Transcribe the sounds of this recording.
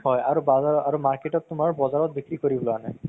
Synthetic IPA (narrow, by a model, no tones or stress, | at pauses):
ɦɔjaɹubazaaɹumaɹketɔtːʊmaɹbɔzaɹɔt̚bikɹikoɹibɔlanaj